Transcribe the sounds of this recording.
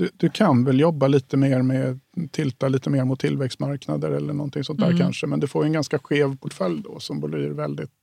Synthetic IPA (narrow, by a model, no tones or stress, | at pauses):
d̪̥ɵd̪ɵkʰanvɛljɔbːaliːt̪əmeːɾmɛt̪ʰɪlt̪aliːt̪əmeːɾmʊt̪ʰːɪlvɛkst̪maɾkna̰d̪əɾɛlːəɳɔnt̪ʰɪŋsɔnt̪d̪æ̰ːɾkʰanʂəmɛnd̪ɵfoːjɵɛnɡanskaɧeːvpʰʊʈfœljːd̪ɔ̰sɔmbʊlyːɾvɛld̪ɪt̪